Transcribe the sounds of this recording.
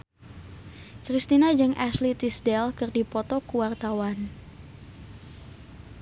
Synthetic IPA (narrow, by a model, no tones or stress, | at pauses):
kɾist̪inad͡ʒəŋʔaslit̪isdɛlkərdipɔt̪ɔkuwart̪awan